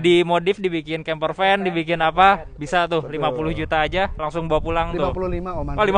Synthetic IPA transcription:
dimodɪfdibikɪnkɛmpərfɛndibikɪnapa | bisat̪ʊhlimapulʊhd͡ʒut̪aːd͡ʒalaŋsʊŋbawapulaŋt̪ʊplialima

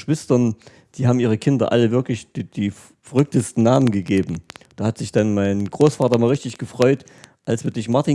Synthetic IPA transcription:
ʃv̥ɪstɐn | d̥iːɦaːbm̩ʔiːʁ̞əkʰɪndɐ̰ʔa̰ləvɪɐklɪç̥d̥iː | fɐʁʏk̚təstn̩naːmənɡəɡeːbm̩d̥aːhatz̥ɪçd̥anmaɪnɡ̥ʁoːsfaːtɐmaːlʁɪçtɪçɡ̥əfʁ̥ɔʏt | ʔalsv̥iɪːɐdɪçmaɐtiː

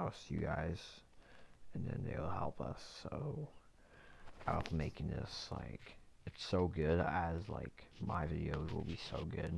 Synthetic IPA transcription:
sjɨ̰ɡaɪz̥ | ɨ̃nðɨ̰̃nðḛɪwl̩ˠhɛlˠpʰʌ̰soʊ | apmeɪkɪ̃ŋðɪ̰sla̰ɪkɨtsoʊɡʊdəzla̰ɪkmaɪvɪɾioʊzwə̰l̩ˠbisoʊɡʊd̥

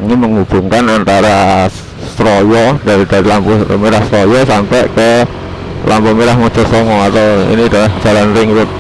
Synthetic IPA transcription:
ŋiməŋub̥ṳŋkanant̪aɾa | sɾɔjɔd̥aɾid̥aɾilampumiɾahst̪ɾɔjɔsampɛʔkə | lʔampɔmiɾahmɔd̥ʒ̥ɔsɔŋɔat̪aḭnid̥alahʒ̥a̤lanɾɪŋɾʊt̪̚

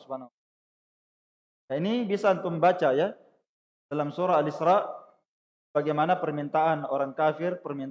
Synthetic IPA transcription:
spana | jainibisant̪uməmbat͡ʃaja | dalamsuɾaalisɾaʔ | b̥aɡajmanapərmint̪aanoɾaŋkafɪrpərmin

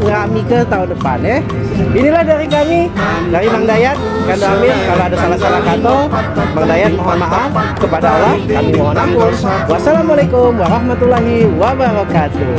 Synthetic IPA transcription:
ŋəɾamikət̪aundəpa̰nɛh | inilahdaɾikami | daɾimaŋdajat̪̚ | kand̪oamɪlkaloadasalahsalahkat̪ɔmaŋdajat̪̚maɦanmaʔafkəpadaalahkamimoɦanakunwasalamalajkʊmwaɾahmat̪ulaɦiwabəɾakat̪u

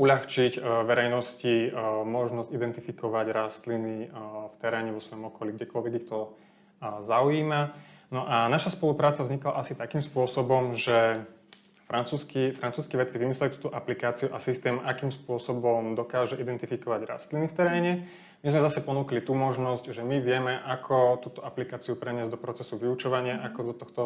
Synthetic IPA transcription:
uʎaxt͡ʃicʋɛɾɛjnɔscimɔʒnɔzcid̪ɛnt̪ifikɔʋaɟɾast̪linift̪ɛɾɛːɲɛʋɔsʋɔjɔmɔkɔliɡɟɛkɔʎʋɛɡixt̪ɔ | zaujiːmanɔʔanaʃaspɔlupɾaːt͡savzɲikla̰ʔasit̪akiːmspʊɔsɔbɔmʒɛ | fɾant͡suːskifɾant͡suːskiːʋɛt͡siʋimislɛlit̪uːt̪ɔʔaplikaːt͡siuʔasist̪ɛːmʔakiːmspʊɔsɔbɔmd̪ɔkaːʒɛʔid̪ɛnt̪ifikɔʋaɟɾa̰st̪linift̪ɛɾɛːɲɛ | mizmɛzasɛpɔnuːklit̪umɔʒnɔzcʒɛmiʋɪɛmɛʔakʰɔt̪uːt̪ɔʔaplikaːt͡siupɾɛɲɪɛzd̪ɔpɾɔt͡sɛsuʋiut͡ʃɔʋaɲɪaʔakɔd̪ɔt̪ɔxt̪ɔ

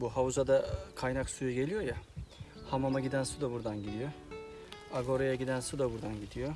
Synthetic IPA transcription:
buɦawuzad̪akʰajnaksujuɟe̞lʲijojahamamaɟid̪ænsud̪abuɾd̪anɟid̪ijo | aɡo̞ɾojaɟid̪ænsud̪abuɾd̪anɟid̪ijo

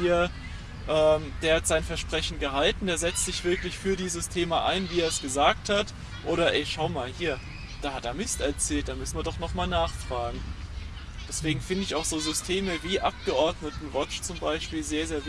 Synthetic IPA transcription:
iːɐ | ʔɛːmd̥eːɐhatz̥aɪnfɛɐʃpʁ̥ɛçn̩ɡəɦaltn̩d̥eːɐzɛt͡stz̥ɪçv̥ɪɐklɪçfyːɐdiːzəstʰeːmaʔa̰ɪnviːeːɐsɡ̥əzaːk̚that | ʔoːɾɐʔɛʃaʊmaːlhiːɐ | d̥aːhateːɐmɪstɛɐt͡sɛːlt̚d̥aːmʏsn̩viɐdɔχnɔχmaːlnaːχfʁ̥aːɡŋ̩ | d̥ɛsv̥eːɡŋ̩fɪndəɪçaʊxz̥oːzʏstʰeːməviːʔap̚ɡ̥əʔɔɐdnətn̩vɔt͡ʃt͡sʊmbaɪʃpiːlzeːɐzeːɐv

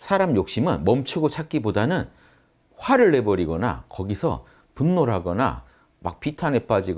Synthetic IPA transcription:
sʰaɾamjok̚ɕ͈imɯnmʌmt͡ɕʰuɡot͡ɕʰak͈ibodanɯn | ɸwaɾɯɭːe̞bʌɾiɡʌna̰kʌɡisʰʌ̰ | punːoɾɦaɡʌna̰ | ma̰k̚p͈itʰane̞p͈ad͡ʑiɡ

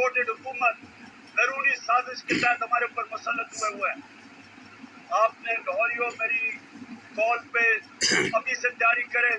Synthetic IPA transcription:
oːʈeɖɦʊkuːmə̃ɳʈ | zəɾuːɾisaːzɪskɪt̪aːt̪ɐmaːɾeʊpːəɾmʊsəlːət̪ɦʊeːɦoɛː | aːpneːɡɦɔːlioːmeːɾikɔːlpeːɐbʱiset̪ɪjaːɾikəɾẽː

